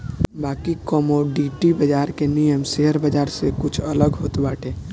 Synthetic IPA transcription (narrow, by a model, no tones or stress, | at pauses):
bakikɔmoɖiʈibəd͡ʒaɾkenijəmseɦəɾbəd͡ʒaːɾsekʊt͡ʃʰələɡɦoːt̪baːʈʰe